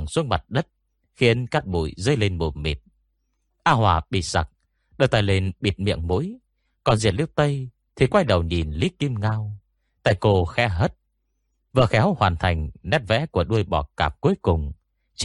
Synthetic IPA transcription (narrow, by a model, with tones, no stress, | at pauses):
ŋswə˧˦n̚ma˨˩t̚ɗə˦˥t̚ | xi˨˧ənkaː˦˥k̚ɓṵ˧˨jzə˧˦jle˧nɓo˨˩nmḭ˨˩t̚ | ʔaː˧ɦwaː˨˩ɓḭ˧˩sa˨˩k̚ | ɗə˧˩wt̪aː˧˩jle˧nɓi˨˩t̚mḭ˧˨əŋmṵ˧˥j | kɔ˨˩nzi˨˩t̚li˦əw̚t̪ə˧j | t̪ʰi˨˩kwa˧jɗə˨˩wɲi˨˩nli˦ki˧mŋaː˧w | t̪a̰ː˧˨jko˧˩xɛ̰˧˥ɦəː˦˥t̚ | və̰ː˧˨˩xɛ˨˦whwaː˨˩nt̪ʰa˨˩jŋ̟nɛ˦˥t̚vɛ̰˧˥ku˧˩əɗu˧əjɓɔ˨˩kaː˨˩p̚ku˨˦jkʊ˨˩ŋ͡m | t͡ɕ